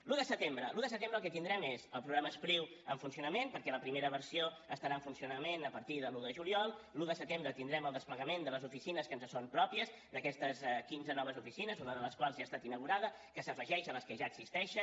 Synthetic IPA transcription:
luðəsət̪embɾəluðəsət̪embɾəlˠkɛt̪ind̪ɾɛmezəlˠpɾuɣɾaməspɾiw | əɱfunsiunəmenpəɾkɛləpɾimeɾəβəɾsio | əst̪əɾaəɱfunsiunəmenəpəɾt̪iðəluðəʒuliɔlˠluðəsət̪embɾət̪ind̪ɾɛməlˠd̪əspləɣəmend̪ələzufisinəskənzəsompɾɔpiəz | d̪əkɛst̪əskinzənɔβ̞əzufisinəzunəðələskwalˠzʒaːst̪at̪inəɣ̞uɾaðə | kəsəfəʒɛʃələskəʒaːɡsist̪ɛʃə

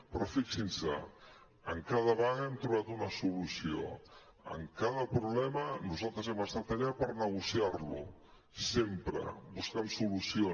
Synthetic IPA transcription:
pɾɔfiksinsə̰ | əŋkaðəβaɣəɛmt̪ɾuβat̪unəsulusio̰ | ə̰ŋkaðəpɾuβlɛmənuzalˠt̪ɾəzɛməst̪at̪əʎapəɾnəɣ̞usiarlṵ | sempɾə̰buskɛmsulusio

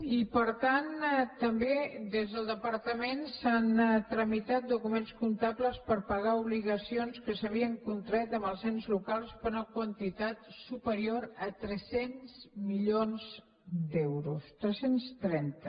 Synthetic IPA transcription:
ipəɾt̪ant̪əmbed̪ezðəlˠd̪əpəɾt̪əmensant̪ɾəmit̪at̪̚d̪ukumenskunt̪apləspəɾpəɣ̞auβ̞liɣəsionskəsəβ̞iəŋkunt̪ɾɛt̪əməlˠsɛnzlukalˠspəɾuəkwənt̪it̪at̪supəɾioɾət̪ɾɛsenz̥miʎonz | d̪ɛwɾust̪ɾɛsenst̪ɾɛnt̪ə

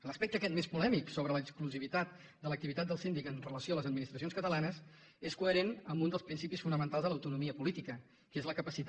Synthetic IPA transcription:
ləspɛk̚t̪əkɛt̪mespulɛmiksoβɾələkskluziβit̪at̪̚ | d̪ələk̚t̪iβit̪at̪̚d̪əlˠsind̪ikənrələsjoələzəd̪minist̪ɾəsionskət̪əlanəs | eskuəɾenəmbund̪əlˠspɾinsipisfunəmə̃nt̪alzðələwt̪unumiəpulit̪ikə | kezləkəpəsit̪

